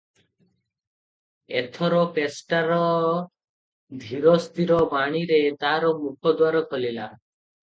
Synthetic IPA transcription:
ḛt̪ʰɔɾɔpesʈaɾɔ | d̪ʱiɾɔst̪iɾɔbaɽ̃iɾet̪aɾɔmukʰɔd̪waɾɔkɔlila

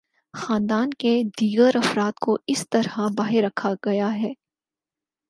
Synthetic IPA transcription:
xaːnd̪aːnked̪iːɡəɾɐfɾaːt̪koɪst̪ɐɾabaːɦɪɾːɐkʰaɡɐjaɦɛː

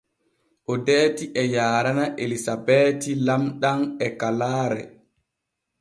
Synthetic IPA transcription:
ʔɔdeːtiʔɛjaːɾanaʔelisabɛːtilamɗanɛkalaːɾɛ̰

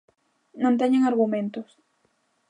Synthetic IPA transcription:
nõnt̪̬eɲeŋaɾɣumẽnt̪os

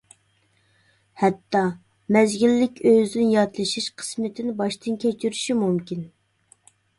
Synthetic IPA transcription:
hɛt̪ʰːɑ | mɛzɡʲilːɪkʲøzd̪ɪnjɑt̪lˠɨʃiʃqʰə̥smɪt̪ʰɪnɪbɑʃt̪ɨnkʲɛt͡ʃʰyɾyʃimumkʲin

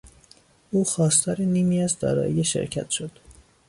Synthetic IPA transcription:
uːxɒːst̪ʰɒːɾeniːmiːæzd̪ɒ̰ːɾɒ̰ːjijeʃḛɾcʰæ̰t̪ʃo̞d̪̥

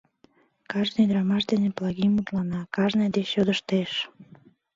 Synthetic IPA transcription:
kɑʒnejd̪ɾɑmɑʃd̪eneplˠɑɣimut̪lɑnɑkɑʒnejd̪eɕod̪əʃt̪eʃ

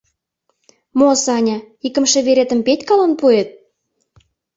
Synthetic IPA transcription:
mosɑnʲɑ | ikə̆mʃĕβeɾet̪ə̆mpetʲkɑlənpuet̪̚

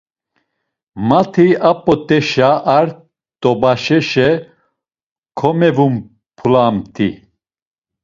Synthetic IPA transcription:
mat̪ʰiapʼɔt̪ʼɛʃaʔːɾ | t̪ʼɔbaʃɛʃɛ | kʰɔmɛvum | pʰulamt̪ʰḭ

